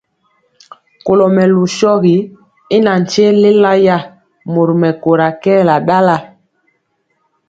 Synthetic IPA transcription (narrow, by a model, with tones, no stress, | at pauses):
ko˨lɔ˨mɛ˨lu˨ʃɔ˦ɣi˨ | i˦na˨n̩˨t͡ʃe˦le˦la˦ja˦˨ | mo˨ɾmɛ˨ko˨ɾa˨kɛː˦˨la˨ɗa˦la˦˨